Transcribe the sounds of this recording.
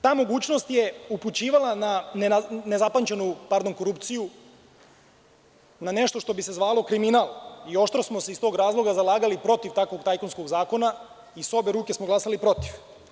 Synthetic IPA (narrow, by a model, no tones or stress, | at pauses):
t̪aːmo̞ɡuːt͡ɕno̞st̪je̞uput͡ɕiːʋalˠanannezapaɲt͡ɕenupaɾd̪o̞ŋko̞ɾuːpt̪siju | nane̞ʃt̪o̞ʃt̪o̞bise̞zʋaːlo̞kɾiminaːlˠio̞ʃt̪ɾosmoseist̪o̞ɡɾaːzlˠo̞ɡazalˠaːɡalipɾo̞t̪iʋt̪akʋo̞ɡt̪ajkonsko̞ɡzaːko̞na | iso̞be̞ɾuːke̞smoɡlˠasalipɾo̞t̪iʋ